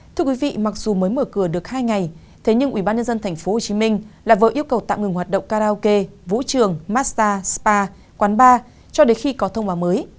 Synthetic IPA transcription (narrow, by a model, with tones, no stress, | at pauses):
t̪ʰɨ˧əkwi˨˦vḭ˧˨ma˨˩k̚z̥u˨˩məː˨˦jməː˧˩kɨ˧˩əɗɨ˨˩ək̚haː˧jŋa˨˩j | t̪ʰe˨˦ɲɨ˧ŋʔwi˧˩ɓaː˧nɲə˧nzə˧nt̪ʰɛ˨˩jŋ̟fo˨˦ho˨˩t͡ɕi˨˦mï˧ŋ̟laː˨˩və̰ː˧˨˩ʔi˧əwkə˨˩wt̪a̰ː˧˨wŋɨ˨˩ŋwaː˨˩t̚ɗə̰˧˨ŋ͡mkaː˧ɾaː˧ke˧vṵ˧˥t͡ɕɨ˨˩əŋmaː˦˥t̚st̪aː˧spaː˧ | kwaː˨˦nɓaː˧ | t͡ɕɔ˧ɗe˨˦xi˧kɔ˨˦t̪ʰə˧wŋ͡mɓaː˨˦wməː˨˦j